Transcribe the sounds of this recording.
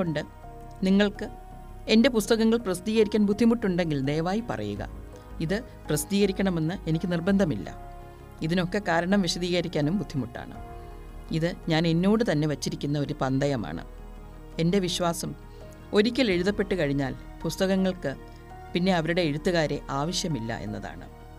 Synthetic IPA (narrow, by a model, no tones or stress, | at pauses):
oɳɖɨ | niŋːɐɭkɨ | e̞nde̞pust̪ɐɣɐŋːɐɭprɐsid̪iːɣɐɾikʲːaːnbud̪ʱːimuʈːuɳɖe̞ŋɡilne̞ːʋaːjipɐ̰rɐ̰jṵɣɐ̰ | iðɨ | prɐsd̪iːɣɐɾikʲːɐɳɐme̞nːɨʔe̞nikʲːɨnirbɐnd̪ʱɐmḭlːɐ̰ | iðino̞kːe̞kaːɾɐɳɐmʋiɕɐðiːɣɐɾikʲːaːnumbud̪ʱːimuʈːa̰ːɳɨ̰ | iðɨɲaːne̞nːo̞ːɽɨt̪ɐnːe̞ʋɐt͡ɕːiɾikʲːunːɐo̞ɾupɐnd̪ɐjɐma̰ːɳɨ̰ | e̞nde̞ʋiɕʋaːsɐm | o̞ɾikʲːɐleɻuðɐpːe̞ʈːɨkɐɻiɲːaːl | pust̪ɐɣɐŋːɐɭkɨ | pinːe̞ɐʋɐɾuɽe̞ːɻut̪ːuɣaːɾe̞ʔaːʋɐɕjɐmilːɐ̰ʔe̞̰nːɐða̰ːɳɨ̰